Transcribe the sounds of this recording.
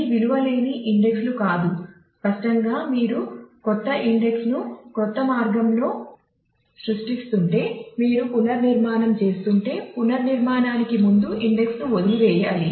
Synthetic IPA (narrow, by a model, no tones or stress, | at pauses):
iʋiluʋɐleːniʔiɳɖe̞kslukaːd̪u | kɐsʈɐŋɡaːmiːɾukɔt̪ːɐʔiɳɖe̞ksnukɔt̪ːɐmaːɾɡɐmlo̞ː | sɾuʂʈist̪uɳʈe̞ːmiːɾupunɐɾniɾmaːnɐmt͡ʃe̞ːst̪uɳʈe̞ːpunɐɾniɾmaːnaːnikimund̪uʔiɳɖe̞ksnuod̪iiʋɛːjaːli